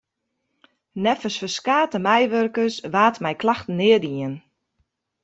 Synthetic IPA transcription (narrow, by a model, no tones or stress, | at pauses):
nɛfəsfəskaːtəmɛjʋørkəsʋaːtmɛjklaxtən̩nɪːədiən